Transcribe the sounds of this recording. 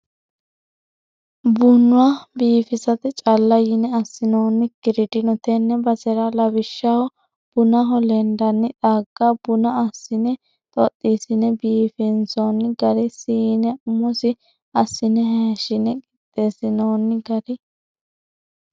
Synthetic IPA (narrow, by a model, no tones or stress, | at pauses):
bʊnːʊwabiːfɪsɐt̪ɛt͡ʃʼɐlːɐjɪnɛɐsːɪnoːnːɪkɪɾɪd̪ɪnɔt̪ɛnːɛbɐsɛɾɐlɐbɪʃːɐwɔ | b̥ʊnɐɦɔlɛnd̪ɐnːɪᶑ̪aːɡ̥ːabʊnɐɐsːɪnɛ | t̪ʼɔt̪ʼːiːsɪnɛbiːfɪnsonɡɐɾɛsinɛʊmɔsɪ | ɐsːɪnɛɦɛʃɪnɛkʼɪt̪ʼːeːsɪnoːnːɪɡɐɾɪ